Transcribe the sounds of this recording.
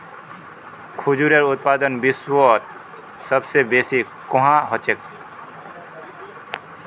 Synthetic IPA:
kʰud͡ʒuɾeɾʊt̪̚paːd̪ənbɪswɔt̪̚ | səbsebeːsi | kɔɦãɦot͡ʃek̚

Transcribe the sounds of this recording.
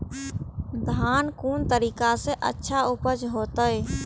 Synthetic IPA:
d̪ʱaːnkuːnt̪əɾiːkaseʔə̰tːʃʰaʊpəd͡ʒɦoːt̪əj

